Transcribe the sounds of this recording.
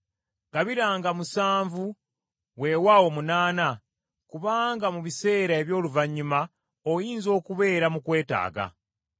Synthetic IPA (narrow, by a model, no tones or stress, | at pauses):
ɡaβiɾaːŋɡamusaːɱvu | we̞wawo̞munaːna | kuβaːŋɡamuβise̞ːɾae̞βjo̞ːluvaɲːuma | ojiːnzo̞ːkuβe̞ːɾamukwe̞ːta̰ːɡa̰